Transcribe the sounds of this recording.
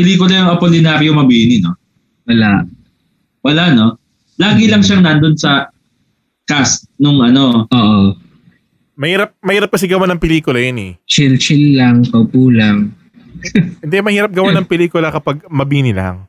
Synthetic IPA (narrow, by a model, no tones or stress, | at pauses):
pɪliːkʊlɐjoɐpolɪnaɾjomɐbiːnɪno | wɐlaʔ | wɐlaʔno̞ | laːɡɪlɐŋʃaŋnand̪onsɐ | kast̪̚nʊŋʔɐno̞ʔoːʔo | mɐhiːɾɐp̚mɐhiːɾɐp̚kɐs̬ɪɡɐwanɐŋpɛliːkʊlɐjonɛ̰t͡ʃɪlt͡ʃɪlːɐŋkɐwpuːlaŋ | hɛnd̪ɛmɐhiːɾɐp̚ɡɐwanɐŋpɛliːkʊlɐkɐpaɡ̚mɐbiːnɪla̰ŋ